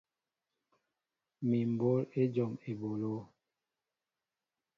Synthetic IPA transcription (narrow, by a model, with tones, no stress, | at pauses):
mi˨m˨bo˨˦le˦d͡ʒɔ˨me˨bo˨lo˦